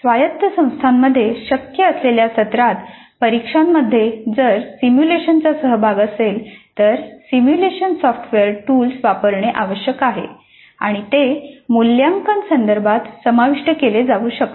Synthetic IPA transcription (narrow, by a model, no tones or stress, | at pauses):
sʋajət̪ːəsə̃w̃st̪ʰamːəd̪ʱːjeɕəkjəːsleljasət̪ɾat̪ | pəɾikʂamːəd̪ʱːjed͡zəɾsimjuleɕənt͡sasəɦəbʱaɡəselt̪əɾsimjuleɕənsɔfʈʰʋeəɾʈulsʋapəɾɳeʔaʋəɕjəkaɦḛ | a̰ɽ̃it̪emuljaŋkansənd̪əɾbʱat̪səmaʋiʂʈəkeled͡zaʋuːɕəkt̪